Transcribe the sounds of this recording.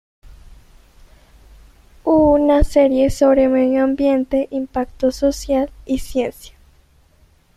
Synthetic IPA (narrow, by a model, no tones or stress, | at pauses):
unaseɾjesoβɾemeðoambjent̪eʔimpakt̪ososjalisjensjḁ